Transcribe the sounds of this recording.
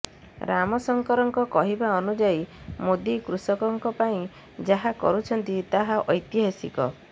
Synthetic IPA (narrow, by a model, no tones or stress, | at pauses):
ɾamɔsɔŋkɔɾɔŋkɔkɔɦibaɔnud͡ʒajmod̪ikɾusɔkɔŋkɔpaĩ | d͡ʒaɦakɔ̰ɾut͡ʃʰɔnt̪it̪aɦaʔɔjt̪jiɦasḭkɔ̰